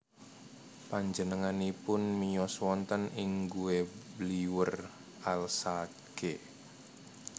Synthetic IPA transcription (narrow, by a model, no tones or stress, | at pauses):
paɲd͡ʒənəŋanipʊnmijɔswɔnt̪ənɪŋɡuwebliwər | ʔalsa | ɡ̥e